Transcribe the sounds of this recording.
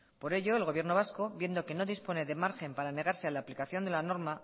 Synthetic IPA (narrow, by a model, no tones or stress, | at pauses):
po̞ɾe̞ʎo̞e̞lɣo̞βje̞ɾno̞β̞asko̞βje̞nd̪o̞ke̞no̞ðispo̞ne̞ðe̞maɾxe̞mpaɾane̞ɣ̞aɾse̞alaːplikaθjo̞nd̪e̞lano̞ɾma